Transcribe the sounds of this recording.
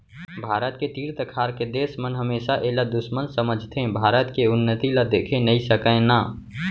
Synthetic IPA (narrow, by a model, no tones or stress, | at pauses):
bʱaːɾət̪ket̪iːɾt̪əkʰaːɾked̪eːsmənɦəmeːsaʔelad̪ʊʃmənsəməd͡ʒʱt̪ʰẽbʱaːɾət̪keʊnːət̪ilad̪eːkʰẽnəisəkə̃naː